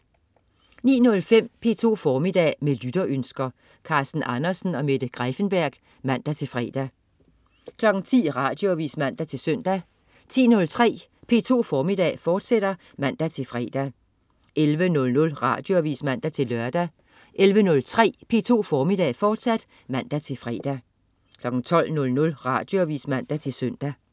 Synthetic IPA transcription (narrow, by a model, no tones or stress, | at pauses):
nḭːnɔ̽lfem̰pʰe̝̰ːt͡sʰo̝̰ːfɒːmid̥ɛ̰ːmelyd̥ɐʔønsɡ̥ɐ | kʰɑ̈sd̥n̩ʔɑ̈nɐsn̩ɒ̽med̥əɡ̥ʁafənb̥æɐ̰ɡ̥ | mæn̰d̥æt͡sʰe̝lfʁɛ̰ːd̥æ | kʰlɒ̽ɡ̥n̩t͡sʰḭːʁɑ̈ːd̥jo̝ɑʋḭːsmæn̰d̥æt͡sʰe̝lsøn̰d̥æ | t͡sʰḭːnɔ̽lt͡sʰʁɛ̰ː | pʰe̝ːt͡sʰo̝̰ːfɒːmid̥ɛ̰ːfɒːd̥seɾ̥ɐ | mæn̰d̥æt͡sʰe̝lfʁɛ̰ːd̥æ | ʔelʋənɔ̽lnɔ̽lʁɑ̈ːd̥jo̝ʋḭːsmæn̰d̥æt͡sʰe̝lːɶɐd̥æ | ʔelʋənɔ̽lt͡sʰʁɛ̰ːpʰe̝̰ːt͡sʰo̝̰ːfɒːmid̥ɛ̰ːfɒːd̥sæd̥ | mæn̰d̥æt͡sʰe̝lfʁɛ̰ːd̥æ | kʰlɒ̽ɡ̥n̩t͡sʰɒ̽l̰nɔ̽lnɔ̽lʁɑ̈d̥joʋḭːsmæn̰d̥æt͡sʰe̝lsøn̰d̥æ